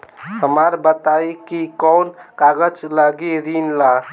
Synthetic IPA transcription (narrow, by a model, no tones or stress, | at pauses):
həməɾbət̪aikikɔnkaɡəd͡ʒləɡiɾinla